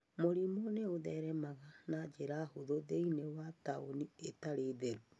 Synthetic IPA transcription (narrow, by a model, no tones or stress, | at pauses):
moɾimoneoðɛɾɛmaɣanad͡ʒeɾahoðoðeinewataonietaɾeːðeɾu